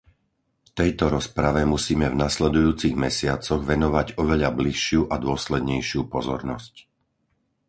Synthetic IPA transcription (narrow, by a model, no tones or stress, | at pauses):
ft̪ɛjt̪ɔɾɔspɾaʋɛmusiːmɛvnaslɛd̪ujuːt͡siɣmɛsɪat͡sɔɣʋɛnɔʋaɟɔʋɛʎabliʃɪuʔad̪ʊɔslɛd̪ɲɛjʃɪupɔzɔ̰ɾnɔsc